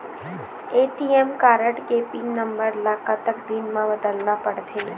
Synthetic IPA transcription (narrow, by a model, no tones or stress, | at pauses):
eʈiemkaɾəʈɡepɪ̃ŋɡnəmbəɾlakat̪əkd̪inmãbəd̪əlnapəɽt̪ʰe